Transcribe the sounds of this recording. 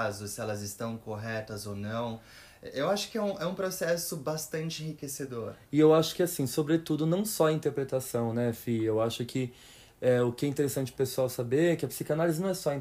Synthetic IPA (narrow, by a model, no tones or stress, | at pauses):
zʊsɪɛlɐzɪst̪ɐ̃w̃koɦɛt̪ɐzonɐ̃w̃ | ɛʔewaʃʊ̥kɪɛũɛũpɾosɛsʊbast̪ɐ̃nt͡ʃɪẽhɦikesed̪oɾɪewaʃʊ̥kɪasĩsobɾet̪ud̪ʊnɐ̃w̃sɔɐĩnt̪eɾpɾet̪asɐ̃w̃nɛfiewaʃʊkʰɪ | ɛʊkɪɛĩnt̪eɾesɐ̃nt͡ʃɪ̥pesuawsabeɾkɪɐpsikanalizɪnɐ̃w̃ɛsɔɐĩ